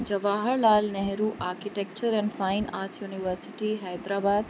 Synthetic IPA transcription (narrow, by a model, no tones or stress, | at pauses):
d͡ʒɐʋaːɦəɾlaːlnɛɦɾuʔaːɾkiʈek̚t͡ʃəɾɛ̃nɖfaɪnaːɾtjuːniʋəɾsiʈiɦajd̪ɾaːbaːd̪